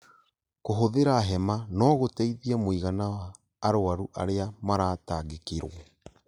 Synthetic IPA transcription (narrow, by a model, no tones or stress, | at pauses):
koɦoðeɾaɦɛmanɔːɣotɛiðiɛmoiɣanawaː | ɾoaɾuʔa̰ɾeamaɾaːtaːɣekeɾwɔ